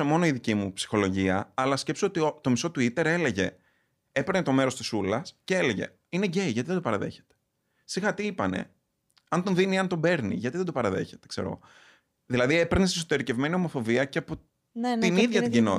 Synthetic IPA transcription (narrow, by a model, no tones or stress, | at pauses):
emo̞no̞iðicimupsi̥xo̞lo̞ʝiɐɐlɐsce̞psoot̪iot̪o̞miso̞t̪uit̪e̞ɾe̞le̞ʝe̞̰ | e̞pe̞ɾnet̪o̞me̞ɾo̞st̪isulɐscee̞leʝe̞̰ | ine̞ʝe̞iʝɐt̪iðed̪opɐɾɐðe̞̰çe̥t̪e̥ | sixɐt̪iipɐne̞̰ | ɐnt̪o̞nðiniɐnt̪o̞be̞ɾnḭʝɐt̪iðed̪opɐɾɐðe̞̰çe̥t̪ekse̞̰ɾo̞̰ | ðilɐðiepeɾnesis̬ot̪e̞ɾice̞vme̞niomo̞fo̞viɐceɐpo̞ | iniðʝɐt̪iɟino̞̰